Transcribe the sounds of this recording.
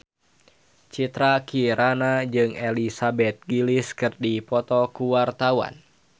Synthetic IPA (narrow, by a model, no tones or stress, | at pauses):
t͡ʃit̪ɾakiɾanad͡ʒɨŋɛlisabɛt̪̚ɡiliskɨrdipɔt̪ɔkuwart̪awa̰n